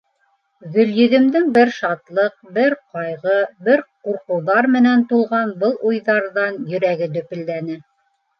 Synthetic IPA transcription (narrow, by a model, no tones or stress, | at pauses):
ɣɵ̆ljɵ̆ðɘ̆md̪ɘŋbɘɾʃɑt̪lˠɤq̚bɘɾqɑjʁɤbɘɾquɾqɤ̆wðɑɾmɘ̆nænt̪ulˠʁɑnbɤlˠujðɑɾðɑnjɵ̆ɾæɡɘd̪ɵ̆pɘ̆ld̪ænɘ